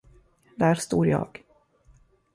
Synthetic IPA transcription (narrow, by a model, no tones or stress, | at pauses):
d̪æːɾst̪oːɾjɑ̰ːɡ̥